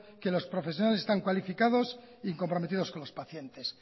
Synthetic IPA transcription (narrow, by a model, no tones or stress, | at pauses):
ke̞lo̞spɾo̞fes̬jo̞nalesest̪aŋkwalifikaðo̞s | iːŋko̞mpɾo̞met̪iðo̞sko̞nlo̞spaθje̞nt̪es